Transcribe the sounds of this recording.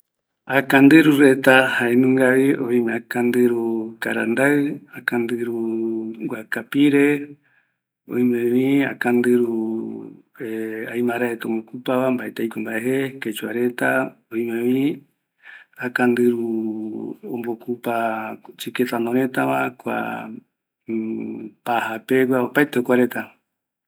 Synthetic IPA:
akand̪ɨɾuɾet̪ahaenũŋɡaβioimakand̪ɨɾuka̰ɾa̰nd̪aɨakand̪ɨɾuɡʷakapiɾe | õ̰imẽβĩa̰kand̪ɨɾuu | eajmãɾaet̪aõmbokupaβambaʔet̪eijkʷambaʔeɦeket͡ʃuaɾe̞t̪aoĩmẽβĩ | akand̪ɨɾu | ombokupat͡ʃiket̪anoɾẽt̪aβakʷa̰ | pahapeɡʷaopaet̪eokʷaɾe̞t̪a

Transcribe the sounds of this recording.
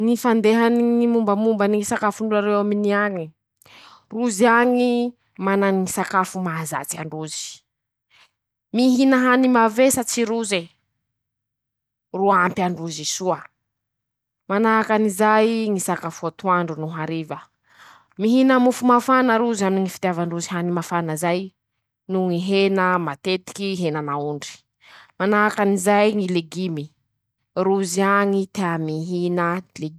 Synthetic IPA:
ŋifand̪eɦaniŋimumbəmumbaniŋisakafuɳɖ͡ʐuaɾewaminiaŋi | ruziaŋi | mananiŋisakafumaza̰t͡sia̰ɳɖ͡ʐuzi̥ | miɦinaɦanimavesat͡siɾuze | ruampiaɳɖ͡ʐuzisuə | manaɦakanizajŋisakafuat̪uaɳɖ͡ʐunuɦaɾivə | miɦinəmufumafanəɾuzaminiŋifit̪javaɳɖ͡ʐuziɦanimafanəzaj | nuŋiɦenəmat̪et̪i̥kiɦenanauɳɖ͡ʐi̥ | manaakanizajŋileɡimi | ruziaŋit̪eamiɦinəle

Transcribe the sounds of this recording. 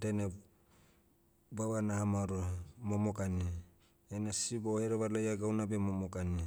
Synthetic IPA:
dene | baβanahamaɾomomokani | enasiboheɾoβaɾlajaɡawnabemomokani

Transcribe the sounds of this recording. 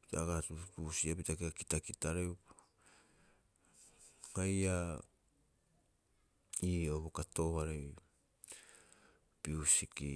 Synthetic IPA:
pi̥taɡatupusiapitakitakitakitaɾe | haja | iːoβokato̞ːhaɾaj | piusiki

